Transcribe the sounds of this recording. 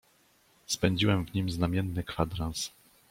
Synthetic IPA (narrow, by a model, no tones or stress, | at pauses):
spɛɲd͡ʑiwɛmvɲimznamʲjɛnːɘkfad̪ɾãns